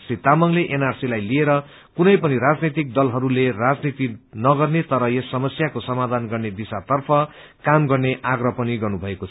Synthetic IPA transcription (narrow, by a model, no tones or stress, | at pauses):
sit̪amʌŋleʔenarsilajlieɾʌ | kunʌjpʌniɾad͡znit̪ik̚d̪ʌlɦʌɾulerad͡znit̪inʌɡʌrnet̪ʌɾʌesːʌmʌsjakosʌmad̪ʱanɡʌrned̪isat̪ʌrpʰʌ | kamɡʌrneʔaɡrʌpʌniɡʌrnubʱʌekot͡sʰ